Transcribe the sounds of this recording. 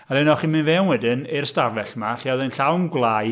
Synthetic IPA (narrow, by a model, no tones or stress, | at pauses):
alɪnɔχinmɨnvɛwnwɛdɨnɪrstavɛɬmaɬiɔðɛnɬawnɡlˠaːj